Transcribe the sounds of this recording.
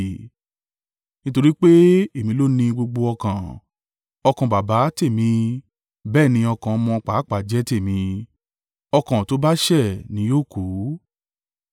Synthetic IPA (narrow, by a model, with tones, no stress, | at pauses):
nĩ˦to˧ɾi˦k͡pe˦e˦˨mĩ˨˦lo˦nĩ˧ɡ͡bo˧ɡ͡bo˧ɔ˧kã˨ | ɔ˧kã˨ba˨ba˨˦te˦˨mĩ˧ | bɛː˦˨nĩ˧ɔ˧kã˨˧mɔ̃˧k͡pa˨˦k͡pa˨d͡ʒɛ˨˦te˦˨mĩ˧ | ɔ˧kã˨to˨˦ba˦ʃɛ˦˨nĩ˨˦joː˦˨ko˨˦